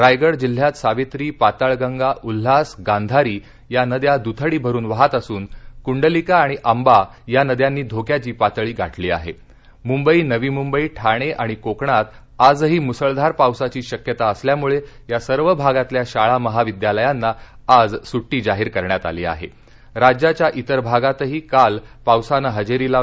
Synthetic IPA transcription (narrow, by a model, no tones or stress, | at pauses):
ɾajɡəɽd͡ʑil̤ːjat̪saʋet̪ɾiːpat̪aɭɡəŋɡaʔul̤ːasɡand̪ʱaɾiː | janəd̪jad̪ut̪ʰəɽiːbʱəɾuːnʋaɦat̪əsuːnkuɳɖəlikaːɽ̃iʔamba | janəd̪janːiːd̪ʱokjat͡ɕiːpat̪ɭiːɡʱaʈlḭːa̰ɦḛ | mumbəiːnəʋiːmumbəiːʈʰaɽ̃eʔaɽ̃ikokɳat̪ | ad͡zɦiːmusəɭd̪ʱaɾpawsat͡ɕiːɕəkjət̪aəsljamuɭe | jasəɾʋəbʱaɡat̪ljaɕaɭaməɦaʋid̪jaləjanːaad͡zsuʈːiːd͡zaɦiːɾkəɾɳjat̪a̰liːa̰ɦḛ | ɾad͡ʑjat͡ɕjaʔit̪əɾbʱaɡat̪ɦiːkalpawsanəɦəd͡ʑeɾila